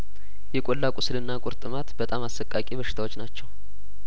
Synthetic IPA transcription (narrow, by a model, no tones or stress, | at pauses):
jɛkʷʼolːakʼʊslɨnːakʼʊɾt̪ʼɨmat̪bət̪ʼamasːəkʼːakʼiβəʃɪ̥t̪awot͡ʃːnat͡ʃːɛw